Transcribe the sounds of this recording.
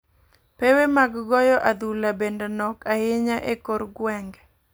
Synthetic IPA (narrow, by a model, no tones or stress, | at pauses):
pewemaɡɡɔjɔʔad̪ulabendɛnɔkahɪɲaʔekoɾɡwɛŋɡ